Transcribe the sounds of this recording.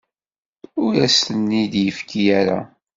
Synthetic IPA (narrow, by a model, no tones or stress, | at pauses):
ʊɾæsənːid̪jəfkʰijæɾa̰